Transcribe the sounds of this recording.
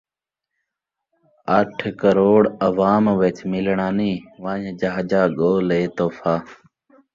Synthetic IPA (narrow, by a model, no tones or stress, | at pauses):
əʈʰkəɾoːɽəʋaːmʋet͡ʃmɪlɳaːniːʋãːɲd͡ʒaɦd͡ʒaːɠoːleːt̪oːfʰaː